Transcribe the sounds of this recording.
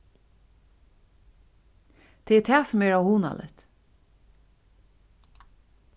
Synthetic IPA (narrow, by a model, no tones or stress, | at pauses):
t̪ʰeːɛt̪ʰæːsʊmɛːɹawhuːna̰lʔɪ̰t̪